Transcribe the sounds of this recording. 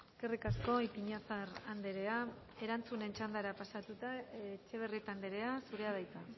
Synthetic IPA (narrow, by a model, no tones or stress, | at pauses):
eske̞rikasko̞ipiɲafaɾand̪eɾe̞a | e̞ɾant͡sune̞nt͡ʃand̪aɾapasat̪ut̪aet͡ʃe̞β̞erit̪and̪eɾe̞asuɾeað̞ajt͡s̪a